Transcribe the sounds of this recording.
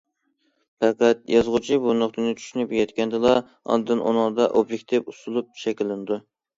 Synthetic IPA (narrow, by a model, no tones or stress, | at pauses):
pæqæt̪jɑzʁʊt͡ʃʰibunʊχt̪ɨnɨt͡ʃʰy̥ʃynypjɛt̪kʲɛnd̪ɨlˠɑ | ɑ̰d̪ɨnʔo̰nɑŋd̪ɑʔobjek̚ʲt̪ʰɪpusulˠup̚ʃɛkʲɪlːɪnɪd̪u